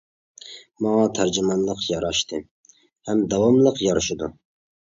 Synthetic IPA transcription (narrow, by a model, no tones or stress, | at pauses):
mɑɑt̪ʰæɾd͡ʒumɑnlˠəqjɑɾɑʃt̪ʰɨ | hɛmd̪ɑwɑmlˠəqjɑɾɨʃɪd̪u